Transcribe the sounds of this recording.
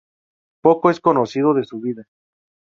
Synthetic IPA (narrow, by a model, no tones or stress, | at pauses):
po̞koe̞sko̞nosiðo̞ðe̞suβiða